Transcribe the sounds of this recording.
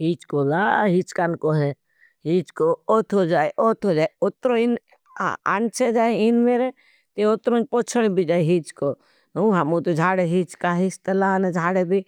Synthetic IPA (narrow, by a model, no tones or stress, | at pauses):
ɦiːt͡ʃkolaɦit͡ʃkankoɦe | ɦiːt͡ʃkoot̪ʰod͡ʒaːeʔot̪ʰod͡ʒaːeʊt̪ɾõin̰ | a̰nt͡ʃʰed͡ʒaːeinmeːɾe | t̪eʊt̪ɾõpot͡ʃʰəɽbʱid͡ʒaːeɦiːt͡ʃko | ũɦamũt̪od͡ʒʱaːɽeɦit͡ʃkaɦist̪əlaːnad͡ʒʱaːɽebʱi